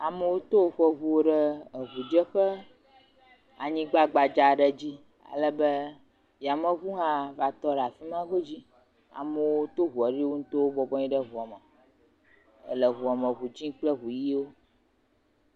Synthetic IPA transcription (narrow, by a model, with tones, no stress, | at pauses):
a˨mə˨wo˦t̪o˦wo˦˨ɸə˦vu˦wo˦ɖə˦ə˨ɦu˨d͡ʒə˦ɸə˦ | a˨ɲĩ˦ɡ͡ba˦ɡ͡ba˨d͡ʒa˨ɖə˦d͡ʑi˦ | a̰˨lə˦bə˦ | ja˨mə̃˦ɣu˦ɦã˦va˨t̪ɔ˦ɖa˨fi˦mã˦ɡo˦d͡ʑi˦ | a̰˨mə˨wo˦t̪o˦ɦu˨a˨ɖi˦wo˦ŋũ˦t̪o˦wo˦bɔ˦bɔ˦ɲĩ˦ɖə˦ɦu˨a˨mə˨ | ə̰˨lə˨ɦu˨a˨mə̃˨βu˨d͡ʑĩ˦k͡plə˦ɦu˨ji˦wo˦